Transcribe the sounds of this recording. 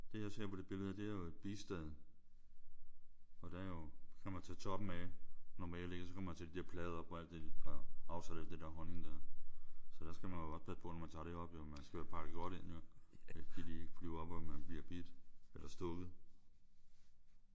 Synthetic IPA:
d̥e̝jɑ̈ɪse̝ɐ̰pʰɒ̽d̥e̝b̥e̝ləð̩ˠəd̥e̝æɐjo̝e̝d̥̚b̥isd̥ɛð̰ˠ | ɒ̽d̥æɐjo̝kʰæmænt͡sʰɛ̰ːt͡sʰɒ̽b̥m̩ænɒmɛelle̝ɡ̥ɐsɒkʰɒmɐmt͡sʰed̥id̥eɐ̰pʰlɛːð̞̩ˠɐbʰɒæl̰d̥ːed̥i̥ɑ̈ɑ̈ʊsæd̥æl̰d̥e̝d̥æɐɦɒ̽neŋde | sɒ̽d̥æɐsɡ̥æmænjo̝ɒ̽spʰæspʰɔ̽nɒmænt͡sʰɑ̈ɾe̝ɒ̽b̥omænsɡ̥æʋæːɐpʰɑ̈ɡ̥əɡ̥ɒɾ̥e̝n̰joɡ̥idieɡ̥flyiʊɐɒ̽b̥ɒmænb̥liɐb̥id̥elɐsd̥ɔɡ̥ð̩ˠ

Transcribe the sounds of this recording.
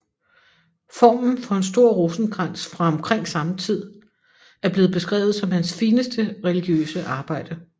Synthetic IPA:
fɒ̰ːmn̩fɒ̽e̝nsd̥o̝ɐ̰ʁosn̩ɡ̥ʁan̰sfʁɑ̈ɒ̽mkʰʁeŋ̰sɑ̈mət͡sʰið̰ˠ | æɐb̥le̝ːð̩ˠb̥e̝sɡ̥ʁɛ̰ːʊð̩ˠsɒ̽mhænsfiːnəsd̥əʁɛliɡ̥jø̰ːsəʔɑ̈ːb̥ɑ̈ɪ̰d̥ə

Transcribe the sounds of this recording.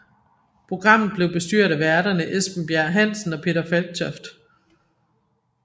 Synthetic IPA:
pʰʁo̝ɡ̥ʁɑ̈m̰ð̩ˠb̥le̝ʊb̥e̝sd̥y̰ɐɾ̥æʋæɐd̥ɐnəʔesb̥n̩b̥jæɐ̰ɦæn̰sn̩ɒ̽pʰe̝̰ːd̥ɐfælɡ̥̚t͡sʰɒfd̥

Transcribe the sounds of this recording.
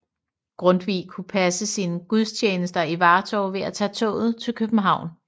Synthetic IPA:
ɡ̥ʁɔ̽nd̥ʋḭːkʰupʰæsəsiːnəɡ̥uð̞ˠst͡ɕʰeːnəsd̥ɐiʋɑ̈ːt͡sʰɒʊʋe̝æt͡sʰɛ̰ːt͡sʰɔ̰̽ːð̞̩ˠt͡sʰe̝lkʰøb̥n̩ɦɑ̈ʊ̰n

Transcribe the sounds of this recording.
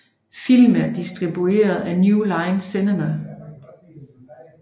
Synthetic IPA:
fil̰mæɐd̥isd̥ʁib̥ue̝̰ːɐð̩ˠænjulɑ̈ɪnsinemæ

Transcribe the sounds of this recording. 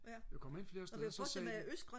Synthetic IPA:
jakʰɒ̽me̝n̰fle̝ːɐseðˠsɒsɛːæøsɡ̥ʁɑ

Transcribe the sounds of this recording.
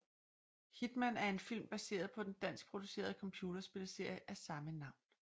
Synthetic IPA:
hid̥mænæɐe̝nfil̰mb̥æse̝̰ːɐð̞̩ˠpʰɒ̽d̥end̥æn̰sɡ̥̚pʰʁo̝d̥use̝̰ːɐð̞ˠkʰɒ̽mpʰjuːd̥ɐsb̥e̝ləse̝ɐ̰jəʔæɐsɑ̈mənɑ̈ʊ̰n

